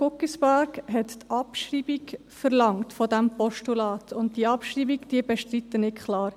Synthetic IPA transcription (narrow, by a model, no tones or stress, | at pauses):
kʊkisbæɾkɦɛttɑpʃriːbik | fəɾlɑŋtfɔdæmpɔʃtulɑːt̪ʰʊnt̚diəɑpʃriːbikd̥iəbɛʃtrit̪ːənɪtkʰχlɑːɾ